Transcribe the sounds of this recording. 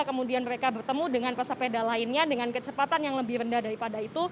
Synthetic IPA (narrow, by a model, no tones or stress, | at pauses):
kəmudianməɾekabərt̪əmudəŋanpasapedalaɪnɲadəŋankət͡ʃəpat̪anjaŋləbɪhɾəndahdaɾipadait̪u